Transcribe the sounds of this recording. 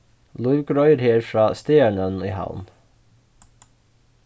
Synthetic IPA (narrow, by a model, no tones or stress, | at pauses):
lʊʋɡɾɔʏɾheːɹfɾɑːst̪eːæɳəniːhɑ̰ʊm